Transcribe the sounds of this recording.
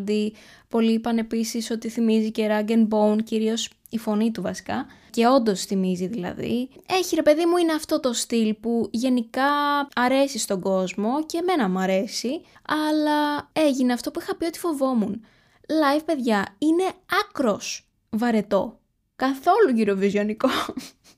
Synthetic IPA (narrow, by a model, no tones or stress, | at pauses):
d̪ipo̞liːpɐne̞pisiso̞t̪iθimizice̞ɾɐɡenbounciɾio̞s | ifo̞nit̪uvɐsi̥kɐce̞o̞nd̪o̞sθimiziðilɐ̰ðḭe̞çiɾe̞pe̞ðimuineɐft̪o̞t̪o̞st̪ilpuʝe̞nikɐɐɾe̞sist̪o̞ɡo̞zmo̞ce̞ːme̞nɐmuɐɾe̞siɐlɐe̞ʝineɐft̪o̞puixɐpio̞t̪i̥fo̞vo̞mun | lɐjvpe̞ðʝɐine̞ɐkɾo̞s | vɐɾe̞t̪o̞ | kɐθo̞luʝiɾo̞vizio̞niko